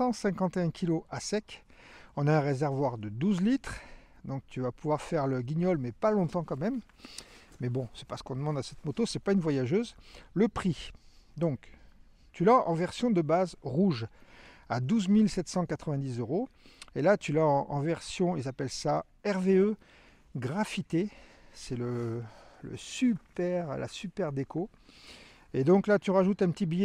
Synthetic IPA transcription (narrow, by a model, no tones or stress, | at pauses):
sɑ̃sɛ̃kɑ̃t̪eɛ̃kʲʰiloʔasɛkɔ̃naɛ̃ʁezɛʁvwaʁd̪əd̪uzlit̪χd̪ɔ̃k̚t̪yvapuvwaʁfɛʁləɡʲiɲɔlmɛpalɔ̃t̪ɑ̃kɑ̃mɛm | mɛbɔ̃sɛ̥paʁsə̥kɔ̃d̪əmɑ̃d̪asɛt̪mot̪osɛpaynvwajaʒøːzləpχid̪ɔ̃k | t̪ylaʔɑ̃vɛʁsjɔ̃d̪əbazʁuʒ | ad̪uzmilsɛt̪sɑ̃kat̪χəvɛ̃d̪izøʁo | elat̪ʰylaɑ̃ʔɑ̃vɛʁsjɔ̃ilzapɛlsa | ɛʁveø | ɡʁafit̪esɛlə | lə̰sypɛʁla̰sypɛʁd̪ekʰo | ed̪ɔ̃klat̪yʁaʒut̪ɛ̃pət̪ibijɛ